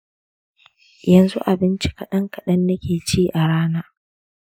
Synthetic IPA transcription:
jɐ˨nzṵ˦ʔa˨bɪ˦nt͡ʃi˦kɐ˨ɗɐ˦ŋkɐ˨ɗɐ˦nːɐ˦kʲeː˨t͡ʃiː˦ʔa˨ɽaː˦naː˦

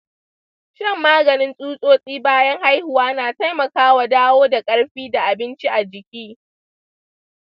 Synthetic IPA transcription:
ʃɪ˦˨mːaː˦ɡɐ˨nɪ˦nsʼuː˦sʼoː˦sʼiː˦baː˦jɐ˦ŋha˦jhʊ˨waː˦naː˨ta˦jmɐ˨kaː˦wa˨daː˦woː˦da˨kʼɐ˦ɽɸiː˦da˨ʔa˨bɪ˦nt͡ʃi˦ʔa˨d͡ʒɪ˨kʲiː˦

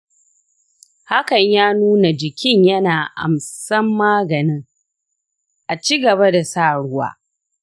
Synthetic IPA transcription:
ha˦kɐ˨ɲjaː˦nuː˦na˨d͡ʒɪ˨kʲɪ˦ɲjɐ˦naː˨ʔa̰˨msɐ˦mːaː˦ɡɐ˨nɪ˦ŋ | ʔa˨t͡ʃiː˦ɡɐ˨βa˦da˨saː˦˨ɽʊ˦wa̰ː˦

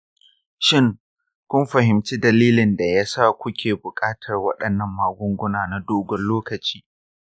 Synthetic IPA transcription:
ʃɪ˦ŋ | kʷʊ˦mɸɐ˨ɦɪ˨mt͡ʃiː˦dɐ˨liː˦lɪ˨nda˨ja˦sa˦˨kʷʊ˦kʲʰeː˨bʊ˨kʼaː˦tʰɐ˨rwɐ˦ɗɐ˨nːɐ˦mːaː˨ɡʷʊ˦ŋɡʷʊ˦naː˨na˨doː˦ɡʷɔ˨loː˦kɐ˨t͡ʃi̥ː˦

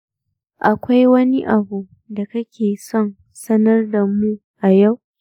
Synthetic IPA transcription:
ʔa˨kʷa˦jwɐ˦ni˦ʔa˨bu˨ | da˨kɐ˦kʲʰeː˨sɔ˦n | sɐ˦nɐ˦rda˨mu˦ | ʔa˨ja˦˨w

